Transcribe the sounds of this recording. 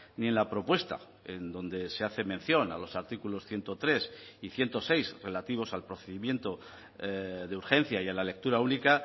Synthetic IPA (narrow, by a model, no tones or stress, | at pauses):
nie̞nlapɾo̞pwe̞st̪a̰ | end̪o̞nd̪e̞se̞aθe̞me̞n̟θjo̞na̰lo̞saɾt̪ikulo̞sθje̞nt̪o̞t̪ɾe̞siθje̞nt̪o̞se̞jsre̞lat̪iβ̞o̞salpɾo̞θe̞ðimje̞nt̪o̞ | ðeuɾxẽ̞n̟θjaialale̞k̚t̪uɾaunika